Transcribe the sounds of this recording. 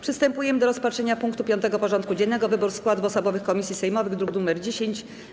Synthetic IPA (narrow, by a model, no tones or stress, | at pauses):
pʂɘst̪ɛmpujɛmɘd̪ɔɾɔspatʂɛɲapuŋkt̪upʲjɔnt̪ɛɡɔpɔʐɔnt̪kud͡ʑɛnːɛɡɔvɘbuɾskwad̪vɔsɔbɔvɘxkɔmʲisʲjisɛjmɔvɘɣd̪ɾuɡnumɛɾd͡ʑeɕeɲt͡ɕ